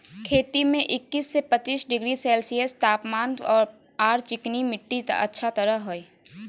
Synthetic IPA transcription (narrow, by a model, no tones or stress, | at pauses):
kʰeːt̪imẽʔɪkːiːsːepət͡ʃiːsɖɪɡɾisɛːlsiest̪aːpmaːnɔːɾ | aːɾt͡ʃɪknimɪʈːit̪ə̰tːʃʰat̪əɾəɦɦoeː